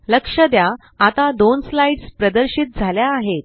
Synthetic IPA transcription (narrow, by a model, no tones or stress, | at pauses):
ləkʂəd̪ja | at̪ad̪onslaiɖspɾəd̪əɾɕit̪̚d͡zʱaljaːɦet̪̚